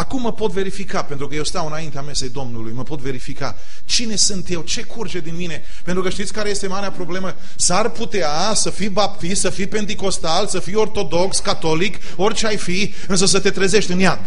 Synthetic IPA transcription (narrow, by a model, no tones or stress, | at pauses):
akumːəpo̞t̪ve̞ɾifikape̞nt̪ɾukəjewst̪awɨnaint̪eame̞sejd̪o̞mnulujməpo̞t̪ve̞ɾifika̰ | t͡ʃine̞sɨnt̪je̞wt͡ʃe̞kʰurd͡ʒe̞d̪inmine̞ | pent̪ɾukəʃt̪it̪sʲkaɾeje̞st̪emaɾeapɾo̞ble̞mə | sarput̪ea | səfijbap̚t̪ist̪səfijpe̞nt̪̬iko̞st̪alsəfio̞rt̪o̞d̪o̞kskat̪o̞lik | o̞rʲt͡ʃeajfi | ɨns̬əs̬ət̪e̞t̪ɾeze̞ʃt̪ʲɨnjad̪